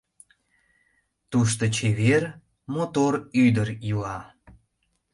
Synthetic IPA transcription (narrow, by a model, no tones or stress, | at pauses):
t̪uʃ̬t̪ot͡ɕeβer | mot̪oɾyd̪əɾjilɑ